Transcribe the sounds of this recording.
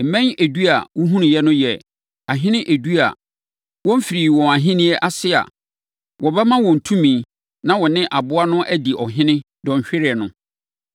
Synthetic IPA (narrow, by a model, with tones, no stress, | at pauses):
m̩˨mɛ̃˦ɲæ˨du˦a˨wʊ˦ɦũ˦nɪ̃˨jɛ˦nʊ̃˦jɛ˨ | a˨ɦɪ̃˦nɪ̃˦ʔæ˨du˦a̰˨ | wɔ̃˦m̩˦fi˨ɾiː˨wɔ̃˨a˨ɦɪ̃˦nĩ˦ɛ˦ʔa˦sɪ˦a̰˨ | wɔ˨bɛ˦mã˦wɔ̃˨n̩˨tʰũ˦mĩ˨˦ | nã˦wɔ˨nɪ̃˦ʔa˨bʊ˦a˦nʊ̃˦ʔæ˦di˨ʔɔ˨ɦɪ̃˦nɪ̃˦ | dɔ̃˨ɲ̩˨ɕᶣɪ˦ɾɪ˨ɛ˨nʊ̃˦